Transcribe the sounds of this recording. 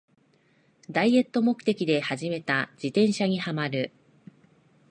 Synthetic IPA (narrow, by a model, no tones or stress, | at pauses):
d̪aie̞t̪ːo̞mo̞kɯ̟̥t̪e̞kʲid̪e̞haʑime̞t̪ad͡ʑit̪ẽ̞ɰ̃ɕaɲ̟ihamaɾɯ̟